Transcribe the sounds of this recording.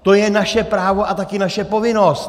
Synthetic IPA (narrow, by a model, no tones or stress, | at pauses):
t̪ojɛnaʃɛpɾaːvo̞ʔat̪akɪnaʃɛpo̞vɪnost̪